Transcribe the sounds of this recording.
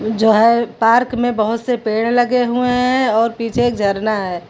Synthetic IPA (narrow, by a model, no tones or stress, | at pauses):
d͡ʒoːɦɛpaːɾkmẽbəɦʊt̪sepeːɽ̃ləɡeɦueɦɛ̃ɔːɾpiːt͡ʃʰeːk̚d͡ʒʱɐɾnaɦɛː